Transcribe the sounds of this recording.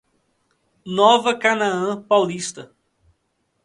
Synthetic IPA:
nɔvɐkanaɐ̃pawlist̪ɐ

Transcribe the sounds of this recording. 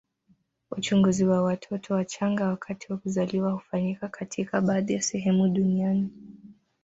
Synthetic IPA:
ut͡ʃuŋɡuziwawatʰɔtʰɔwat͡ʃaŋɡawakʰatiwakuzaliwahu̥faɲikakatʰikaɓaːðijasɛɦɛmuɗuniani

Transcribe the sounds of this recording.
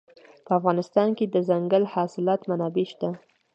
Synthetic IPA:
pəafɣɑnɪst̪ɑnked̪əzaŋɡəlhɑsɪlɑt̪manɑbeʃt̪a

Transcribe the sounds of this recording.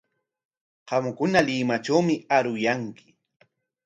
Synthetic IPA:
ɢɑmkʊnalɪːmat͡ʃawmɪaɾʊjaŋkɪ̥

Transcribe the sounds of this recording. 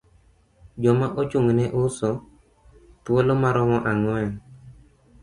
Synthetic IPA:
d͡ʒɔmaʔot͡ʃʊŋnɛʔʊsɔ | t̪wolomaɾɔmɔʔaŋwɛn

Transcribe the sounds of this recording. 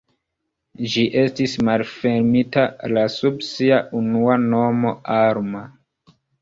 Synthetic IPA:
d͡ʒiʔe̞stismalfe̞ɾmitalasubsiaʔunuano̞mo̞aɾma

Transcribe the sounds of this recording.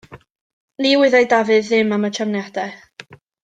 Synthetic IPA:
liwɪðajdavɨðːɪmamət͡ʃʰamnjad̥ɛ

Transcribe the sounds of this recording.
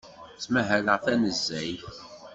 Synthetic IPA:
t͡sːmæɦæləʁfænəzːæj

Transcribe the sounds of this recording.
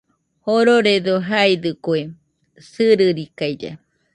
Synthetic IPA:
hoɾoɾed̪oɦajd̪ɨkwe | sɨɾɨɾikajd͡ʒa̰

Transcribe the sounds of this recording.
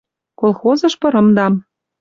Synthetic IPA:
kolˠxozɤ̆ʃpɤ̆ɾɤ̆md̪ɑm

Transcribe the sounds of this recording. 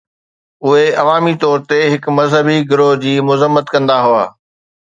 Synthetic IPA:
ʊɦeɐʋaːmit̪ɔːɾt̪eɦɪkmɐzɦəbiɡɪɾoɦd͡ʑiːmʊzəmːət̪kɐ̃nd̪aɦʊa̰ː

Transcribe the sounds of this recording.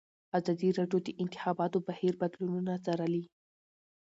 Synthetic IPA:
azɑd̪iɾɑɖjod̪əʔɪnt̪ɪ̥xɑbɑt̪obahiɾbad̪lununat͡saɾali

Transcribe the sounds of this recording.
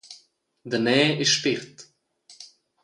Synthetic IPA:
d̪ənɛːɪsʃpɪɾt̪

